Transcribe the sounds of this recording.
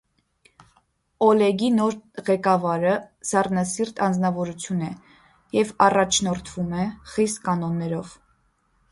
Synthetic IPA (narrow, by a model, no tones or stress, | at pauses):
ɔlɛɡinɔɾʁɛkɑvɑɾəzɑrnɑsirt̪ɑnd͡znɑvɔɾut͡sʰjunɛ | jɛvɑrɑt͡ʃʰnɔɾt̪ʰv̥umɛχist̪kɑnɔnːɛɾɔv